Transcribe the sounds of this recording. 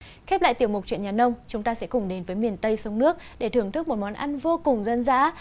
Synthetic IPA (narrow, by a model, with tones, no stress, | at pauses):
xɛ˦˥p̚la̰ː˧˨jt̪i˧˩əwmʊ˨˩t͡ɕwḭ˧˨əɲaː˨˩nə˧wŋ͡mt͡ɕʊ˨˦ŋ͡mt̪aː˧sɛ̰˧˥kʊ˨˩ŋ͡mɗe˨˦nvəː˨˦jmi˨˩ənt̪ə˧jsə˨˦wŋ͡mnɨ˦˥ək̚ɗe˧˩t̪ʰɨ˨˩əŋt̪ʰɨ˦˥k̚mo˨˩t̚mɔ˨˦nʔa˧nvo˧kʊ˨˩ŋ͡mzə˧nza̰ː˧˥